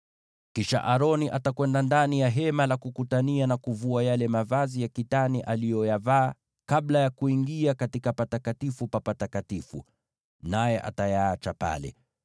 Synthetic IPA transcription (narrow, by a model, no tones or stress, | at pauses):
kiʃa̰ʔaɾɔniʔatakwɛndandanijaɦɛmalakukutanianakuvuajalɛmavazijakitaniʔalijɔjavaː | kablajakuiŋɡiakatikapatakatifupapatakatifṵ | najɛʔa̰tajaat͡ʃapa̰lɛ̰